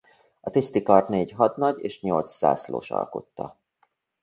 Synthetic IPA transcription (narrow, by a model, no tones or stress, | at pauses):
ɒt̪ist̪ikɒrt̪neːɟɦɒt̪nɒɟeːʃɲo̞lt̪sːa̰ːslo̰ːʃɒ̰lkot̪ːɒ